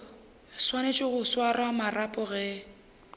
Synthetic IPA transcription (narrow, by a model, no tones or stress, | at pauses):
swanet͡ʃʼɪɣʊswarwamarapʼʊɣɛ